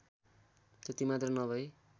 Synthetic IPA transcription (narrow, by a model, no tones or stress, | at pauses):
t̪ʌt̪imat̪rʌnʌbʱʌj